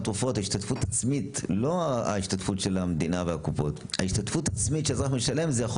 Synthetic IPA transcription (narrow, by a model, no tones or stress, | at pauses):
t̪ʁufo̞thaiʃtat̪futat͡smit̪lo̞a̰iʃtatfutʃe̞lamed̪inaveakupo̞t̪ha̰iʃt̪atfutat͡smit̪ʃeazʁaχmeʃale̞mzejaχ